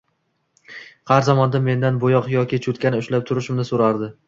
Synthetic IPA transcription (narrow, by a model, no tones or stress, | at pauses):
qʰɑɾzɒmɒnd̪amːe̞nd̪anbojɒqjɒkʲɪt͡ʃʰʊt̪kʲanɪʊʃlap̚t̪ʰʊɾɪʃɪmnɪsoɾaɾd̪ɪ